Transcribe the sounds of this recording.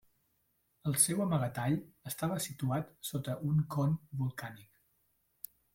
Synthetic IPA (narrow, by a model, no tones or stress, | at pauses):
əlˠsɛwəməɣət̪aʎəst̪aβəsit̪uat̪sot̪əʔuŋkɔnbulˠkanik